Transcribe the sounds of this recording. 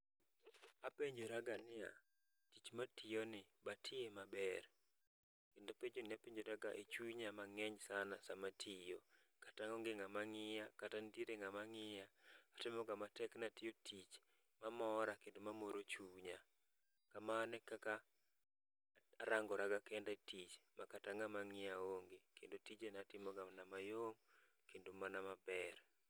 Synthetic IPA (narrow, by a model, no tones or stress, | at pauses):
apeɲd͡ʒoɾaɡanɪa̰ | tit͡ʃmatʰɪjonɪbatʰɪemabɛr | kendopeɲd͡ʒonɪapeɲd͡ʒoɾaɡaʔet͡ʃuɲamaŋɛɲsanasamatʰijo | kataŋɔŋɡɪŋamaŋɪjakatandieɾeŋamaŋɪjaːtɪmɔɡamatɛknatɪjotʰit͡ʃ | mamɔɾakendomamoɾot͡ʃuɲa | kamanɛkaka | ɾaŋɡɔɾaɡakɛndatit͡ʃmakataŋamaŋɪjaoŋɡekʰendotit͡ʃenatɪmɔɡanamajoŋ | kendomanamabɛr